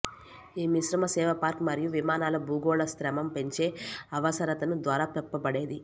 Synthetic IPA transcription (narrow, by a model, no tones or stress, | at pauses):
iːmiʃɾɐmɐsɛːʋɐpaːɾkmɐɾijuʋimaːnaːlɐbuːɡoːɭɐskɾɐmɐmpe̞ɲt͡ʃe̞ːɐʋɐsɐɾɐt̪ɐnud̪ʋaːɾaːpɛpːɐbɐɽe̞ːd̪i